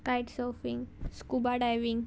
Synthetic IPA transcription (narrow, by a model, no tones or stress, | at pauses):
kajʈsɔfiŋɡskubaɖajʋiŋɡ